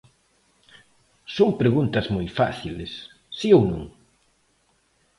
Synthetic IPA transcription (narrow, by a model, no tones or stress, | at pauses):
soŋpɾeɣunt̪ɐzmojfa̰θilesː | iownṵ̃ŋ